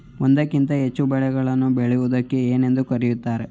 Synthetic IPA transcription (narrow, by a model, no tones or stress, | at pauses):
ond̪ɐkːint̪ɐɦe̞t͡ʃːubɛɭɛɡɐɭɐnːubeɭɛʋud̪ɐkːeeːne̞nd̪ukɐɾijut̪ːaːɾe